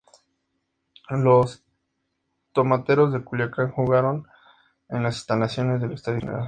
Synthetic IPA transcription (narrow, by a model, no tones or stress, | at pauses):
lo̞s | t̪omat̪e̞ɾo̞zðe̞kuljakaŋxuɣaɾo̞n | enlase̥st̪alasjo̞ne̞zðe̞lekst̪aðjonḛɾa̰l